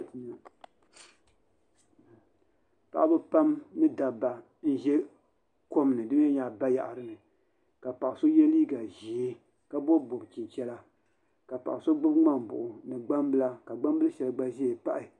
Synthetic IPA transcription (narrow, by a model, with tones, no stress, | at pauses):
pa̰˨ʔa˦bɨ˦pa˦mnɨ˦da˨ba˨ | n̩˦ʒɛ˦ | ko˦m˨nɨ˨dɨ˦m˦ɛ˦ɲaː˨ba˦ja̰˨ʔa˨ɾɨ˦nɨ˨ | ka˨pa˨ʔa˨so˦jɛ˦liː˦ɡa˨ʒi˨e˦ | ka˦bo˦˨bo˨bt͡ʃi˨nt͡ʃɛ˦la˦ | ka˨pa̰˨ʔa˨so˦ɡ͡bʊ˦bŋ͡ma˦m˨bʊ̰˨ʔʊ˨nɨ˨ɡ͡ba˦mbɨ˦la˦ka˨ɡ͡ba˦m˦bɨ˦lɨ˦ʃɛ˨lɡ͡ba˦ʒi˦e˨pa˦ʔɪ˨